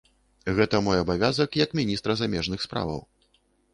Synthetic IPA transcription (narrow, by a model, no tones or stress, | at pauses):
ɣɛt̪ɐmɔjabavʲazɐkjɐkmʲinʲist̪ɾɐzamʲɛʐnɨxspɾa̰vɐ̰w